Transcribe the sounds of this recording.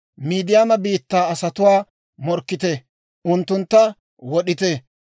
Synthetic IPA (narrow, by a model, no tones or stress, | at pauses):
miːd̪ɪjaːmɐbiːt̪ːaːɐsɐt̪ʊwaː | mɔɾkːɪt̪ɛ | ʔʊnt̪ːʊnt̪ːɐ | wɔɗɪt̪ɛ